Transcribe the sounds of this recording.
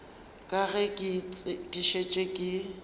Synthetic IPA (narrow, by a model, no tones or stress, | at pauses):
kʼaɣɛkʼɪdiʃet͡ʃʼekʼɪ